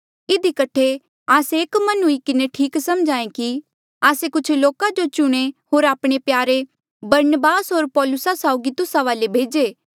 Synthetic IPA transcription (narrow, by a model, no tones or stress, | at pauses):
ɪd̪ikɐʈʰe | aːseeːkmɐnɦʊikɪneʈʰiːksɐmd͡ʒãːẽki | aːsekʊt͡ʃʰloːkad͡ʒot͡ʃʊɽ̃eɦoːɾaːpɽ̃epjaːɾe | bɐɾnəbaːsɦoːɾpɔːlʊsasaːʊɡit̪ʊsaʋaːlebʱeːd͡ʒeː